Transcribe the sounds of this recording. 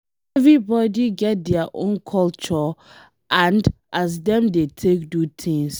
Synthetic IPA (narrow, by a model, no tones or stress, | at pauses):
ɛvɹibɔdiɡɛt̚dɛaʔõ̰nkʰɔlt͡ʃɔ | ʔãndʔas̬dɛ̃mdetʰek̚dutʰĩŋs